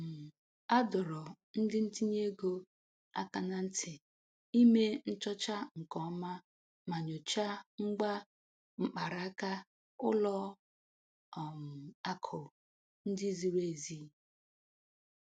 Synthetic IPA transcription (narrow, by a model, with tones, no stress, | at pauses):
a˦dɔ˨ɾɔ˨ | n̩˦dɪ˦n̩˦ti˦ɲe˦ɡo˦ | a̰˦ka˦na˨n̩˦tʰɪ˨ | i˦me˦n̩˦t͡ʃɔ˦t͡ʃa˦ŋ̩˨kɔ˦ma˦ | ma˨ɲo˨t͡ʃa˦ŋ͡m̩˦ɡ͡ba˦ | ŋ͡m̩˨k͡pa˨ɾa˨˦ka˦ | ʊ̰˦lɔ˦˨ | m̩˨a˦kʰʊ˨ | n̩˦di˦zi˨ɾe˨zi˦